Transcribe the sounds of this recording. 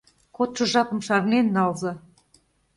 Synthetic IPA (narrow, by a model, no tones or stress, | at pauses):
kot̪ʃɤ̆ʒɑpɤ̆mʃɑrnenːɑlzɑ